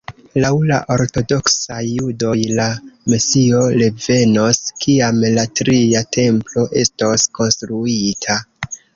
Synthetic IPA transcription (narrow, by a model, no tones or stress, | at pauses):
lawla̰ʔo̞ɾto̞do̞ksajːudo̞jlamesio̞ɾeve̞no̞skiamlatɾiatʰe̞mplo̞ʔe̞stosko̞nstɾuitʰa